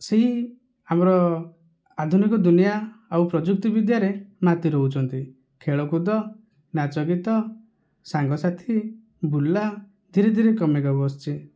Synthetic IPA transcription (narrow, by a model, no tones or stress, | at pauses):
seɦi | amɔɾɔ | ad̪ʱunikɔd̪unijaawpɾɔd͡ʒuk̚t̪ɔbid̪jaɾemat̪iɾɔɦut͡ʃʰɔnt̪i | kʰeɭɔkud̪ɔ | nat͡ʃɔɡit̪ɔ | saŋɡɔsat̪ʰi | bulːa | d̪ʱiɾed̪ʱiɾekɔmeɡabɔːst͡ʃʰi